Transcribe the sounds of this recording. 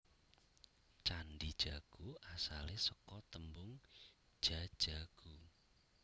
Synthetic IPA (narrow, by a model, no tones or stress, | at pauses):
t͡ʃanɖid̥ʒ̥aɡ̥uʔasalesəkɔt̪əmbʊŋ | dd̥ʒ̥ḁʒ̥a̤ɡ̥u